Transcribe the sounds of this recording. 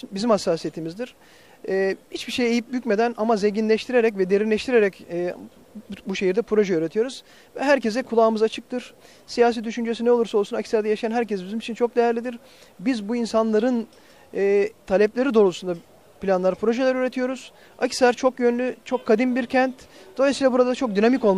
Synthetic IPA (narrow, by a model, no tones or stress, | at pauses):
bizimhasːaːsije̞t̪ʰimizd̪iɾ̥ː | hit͡ʃbiʃejejip̚bycme̞d̪ænamazeɲɟinlʲɛʃt̪ʰiɾeɾɛcvɛd̪e̞ɾinlʲɛʃt̪ʰiɾeɾɛcː | buʃe̞jiɾd̪ɛpʰɾo̞ʒɛøɾe̞t̪ʰijo̞ɾuz̥ | vɛɦæɾcezd̪ɛkʰulˠaːɯmɯzat͡ʃʰɯk̚t̪ʰɯɾ̥ | sijaːs̬id̪yʃynd͡ʒes̬inɛo̞lˠuɾsao̞lˠsunacʰsʲæɾd̪ɛjaʃjanɦæɾc̬ɛsbizimit͡ʃʰint͡ʃʰo̞k̚d̪ejæɾlʲid̪iɾ | bizbuinsanlˠaɾɯn | ɛːt̪ʰalʲɛplʲeɾid̪o̞ːɾlˠusund̪a | pilʲanlˠaɾpʰɾo̞ʒelʲɛɾøɾe̞t̪ʰijo̞ɾuz̥ | acʰi̥slʲæɾt͡ʃʰo̞kjønlʲyt͡ʃʰo̞kʰːad̪inbiɾcʰænt̪d̪̥o̞lˠejsilʲabuɾad̪at͡ʃʰo̞k̚d̪ynamiko̞lˠm